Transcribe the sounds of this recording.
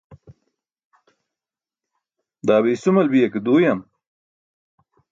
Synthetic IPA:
d̪aːβiːsumɐlbijɐked̪uːjɐm

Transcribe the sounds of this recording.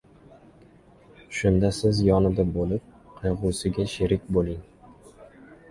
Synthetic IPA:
ʃʊnd̪asɪzjɒnɪd̪abolɪp̚qʰɑjʁʊsɪɡʲaʃɪɾɪkʲbolˠɪŋ

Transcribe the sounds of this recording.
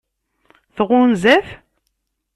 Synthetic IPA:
θəʁʊnzæf

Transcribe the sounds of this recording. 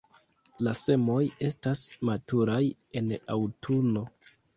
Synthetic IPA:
lase̞mo̞je̞stasmatuɾaje̞na̰wtʰuno̞

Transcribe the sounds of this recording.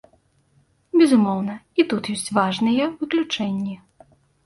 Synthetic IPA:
bʲɛzumɔwn̪ɐit̪ut̪jɔsʲt͡sʲvaʐnɨjɛvɨklʲut͡ʂɛnʲːi

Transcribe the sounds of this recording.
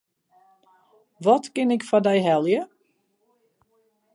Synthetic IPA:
ʋɔtkɪnɪkfadɛjɦɛlˠjə

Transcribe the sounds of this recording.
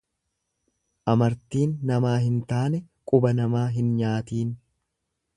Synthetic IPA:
ʔɐmɐɾt̪iːnːɐmaːɦɪnt̪aːnɛ | kʼʊbɐnɐmaːɦɪnɲaːt̪iːn

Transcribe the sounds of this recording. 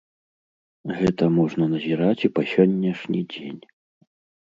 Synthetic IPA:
ɣɛt̪ɐmɔʐnɐnɐzʲiɾat͡sʲipɐsʲɔnʲːɛʂnʲid͡zʲḛnʲ

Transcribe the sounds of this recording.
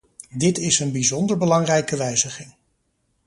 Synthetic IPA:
dɪtɪsənbizɔndəɹbəlɑŋrɛjkəʋɛjzəχɪŋ

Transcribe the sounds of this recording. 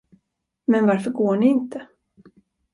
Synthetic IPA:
mɛnvaɾfœɾɡoːɳɪɪnt̪ə

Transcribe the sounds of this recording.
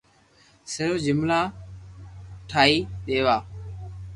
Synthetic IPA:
səɾːd͡ʒɪmlaː | ʈʰaːiːɗeːʋaː

